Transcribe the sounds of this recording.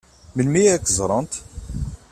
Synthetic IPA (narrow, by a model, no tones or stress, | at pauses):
məlmijækːzˤɾˤɑnt̪